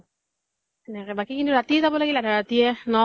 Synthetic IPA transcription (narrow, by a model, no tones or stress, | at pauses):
ɛnɛkɛbakikint̪uɾat̪iezabɔlaɡilaɾaɾat̪ienɔ